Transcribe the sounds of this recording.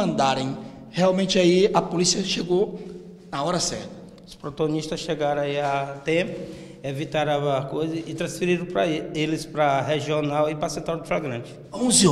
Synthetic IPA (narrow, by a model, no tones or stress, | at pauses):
ɐ̃nd̪aɾẽj̃ | heawmẽnt͡ʃɪaiɐpolisiɐʃeɡo | nɐɔɾɐsɛɾt̪ɐ | ʊspɾɔt̪aɡõniʃt̪ɐsʃeɡaɾɐ̃aiat̪ẽpʊ | evit̪aɾakojzɐɪt̪ɾɐ̃sfiɾiɾɐ̃pɾɐelɪspɾɐɦeʒionawɪpɾɐsẽt̪aɾd̪ɪflaɡɾɐ̃t͡ʃɪ̥ | õz